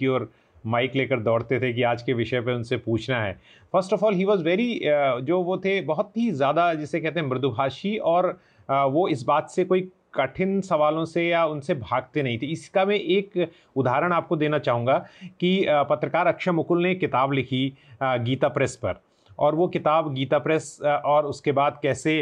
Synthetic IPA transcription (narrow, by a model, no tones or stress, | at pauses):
iɔːɾ | maːɪkleːkəɾd̪ɔːɽt̪et̪ʰek̬iaːd͡ʒkeʋɪʃəpeʊnsepuːt͡ʃʰnaɦɛ̰ː | fəɾsʈɔːfɔːlɦiːʋɔːzʋɛːɾid͡ʒoːʋot̪ʰebɐɦʊt̪ɦizjaːd̪ad͡ʒɛsekɛɦt̪ẽɦɛ̃mɾɪd̪ʱubʱaːʃiɔːɾ | ʋoɪs̬baːt̪sekoːi | kɐʈʰɪnsɐʋaːlõsejaʊnsebʱaːɡt̪enɐɦĩt̪ʰeɪskamɛ̃ʔeːk | ʊd̪ʱaːɾəɽ̃aːp̚kod̪eːnat͡ʃaːɦũːŋɡakipɐt̪ɾəkaːɾɐkʃəmʊkʊlnekɪt̪aːblɪkʰiɡiːt̪apɾɛspɐ̰ɾ | ɔːɾʋokɪt̪aːbɡiːt̪apɾɛsʔɔːɾʊskebaːd̪kɛːse